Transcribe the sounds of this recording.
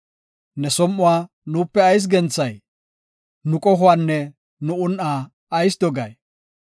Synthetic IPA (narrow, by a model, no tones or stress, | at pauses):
nɛsɔmʔːʊwaː | nuːpːɛɐjs̬ɡɛnt͡sːɐj | nʊkʼɔɦʊwaːnːɛ | nʊʊnʔaː | ɐjs̬d̪ɔɡɐ̰j